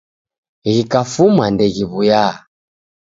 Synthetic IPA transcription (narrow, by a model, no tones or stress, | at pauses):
ɣikafumandɛɣiβuja